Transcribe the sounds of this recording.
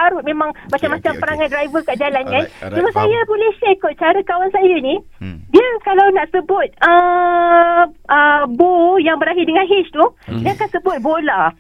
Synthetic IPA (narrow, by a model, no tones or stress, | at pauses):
aɾʊt̪̚mẽmãŋmat͡ʃamːat͡ʃampəɾaŋãnt̪̚dɾajvəkaʔd͡ʒalankand͡ʒumasajabolɛhʃekɔt̚t͡ʃaɾəkawansajani | diəkalawnaʔsəbʊt̪̚ə | ʔəbojaŋbəɾaɦɪdəŋãnɦɪʃt̪udiakansəbʊt̪̚bola